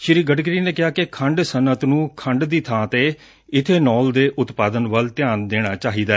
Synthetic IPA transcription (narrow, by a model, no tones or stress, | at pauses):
ʃɪɾiːɡəɖɡɾiːneːkɪɦaːkekʰə̃ɳɖsənət̪nũːkʰəɳɖd̪iːt̪ʰãːt̪eː | ɪt̪ʰeːnɔːld̪eːʔʊt̪paːd̪ənʋəlt̪ɪjãːnd̪eːɽ̃aːt͡ʃaːɦiːd̪aːɛ